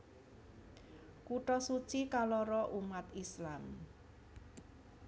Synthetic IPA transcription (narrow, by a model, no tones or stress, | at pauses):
kuʈɔsut͡ʃikalɔɾɔʔumat̪islam